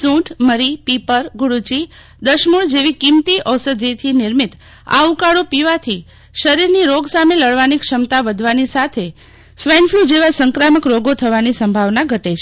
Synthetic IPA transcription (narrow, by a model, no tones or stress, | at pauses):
sũʈʰməɾipipəɾɡuɽut͡ʃi | d̪əʃmuɭd͡ʒeʋikimt̪iʔɔsəd̪ʱit̪ʰinɪɾmit̪ | a̰ukaɽopiʋat̪ʰi | ʃəɾiɾniɾoɡsameləɭʋanikʂəmt̪aʋəd̪ʱʋanisat̪ʰe | sʋenfʰlud͡ʒeʋasəŋkɾaməkɾoɡot̪ʰəʋanisəmbʱaʋnaɡʱəʈet͡ʃʰe